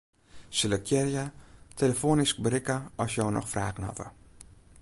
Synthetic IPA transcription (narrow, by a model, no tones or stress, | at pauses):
sɪləkʰjɛrjatʰeləfoːnisk̚bəɾɪkəɔsjownɔ̰xfraːɣənɑ̰tə̰